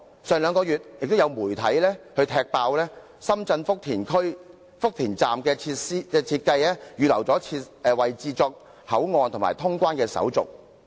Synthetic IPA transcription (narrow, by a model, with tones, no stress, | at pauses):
sœː˨ŋlœː˨˧ŋkɔː˧jyː˨t̚jɪ˨k̚t̪o˥wjɐ˨˧wmuː˨˩jt̪ʰɐ̰˨˥jlɛː˥hɵ˧ɥt̪ʰɛː˧k̚paː˧wlɛː˥ | sɐ˥mt͡sɐ˧nfʊ˥k̚t̪ʰiː˨˩nkʰɵ˥ɥ | fʊ˥k̚t̪ʰiː˨˩nt͡saː˨mkɛː˧t͡sʰi˧siː˥kɛː˧t͡sʰiː˧t̚kɐ˧jlɛː˥jyː˨˧lɐ̰˨˩wt͡sɔː˨˥t͡sʰiː˧t̚ɛː˨wɐ˨jt͡siː˧t͡sɔː˧k̚ | hɐ˨˥wŋɔː˧nt̪ʰʊ˨˩ŋma̰ː˨˩jt̪ʰʊ˥ŋkʷwaː˥nkɛː˧sɐ̰˨˥wt͡sʊ̰˨k̚